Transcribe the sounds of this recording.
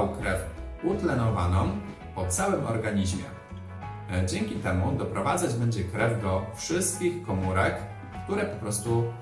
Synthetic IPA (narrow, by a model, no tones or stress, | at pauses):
wkɾɛfut̪lɛnɔvanɔm | pɔt̪sawɘmʔɔɾɡaɲiʑmʲjɛ̰ | d͡ʑɛŋkʲit̪ɛmud̪ɔpɾɔvad̪zad͡ʑbɛɲd͡ʑɛkɾɛvd̪ɔfʂɘst̪̚kʲixkɔmuɾɛkː | t̪uɾɛpɔpɾɔst̪u